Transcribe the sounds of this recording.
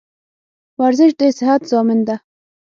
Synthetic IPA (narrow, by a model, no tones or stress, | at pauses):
waɾzɪʃd̪esɪɦat̪z̥ɑːmɪnd̪a